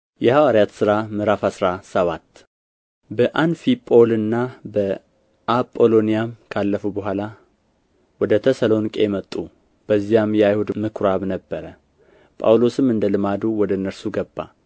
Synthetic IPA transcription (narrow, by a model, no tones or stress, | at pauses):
jɛhawaɾijat̪sɨɾamɨɾafasɾasəβat̪ː | bəʔanfipʼo̞lɨnːabə | ʔapʼːo̞lo̞nijamkʰalːəfubəɦʷala | wɔd̪ət̪ʰəsəlo̞nkʼemət̪ʼːu | b̥əzːijamjɛajhud̪mɨkʰɾaβnəbːəɾə | pʼa̰wlo̞sɨmɨnd̪əlɨmad̪uwɔd̪əɨnːəɾsuɡəbːa̰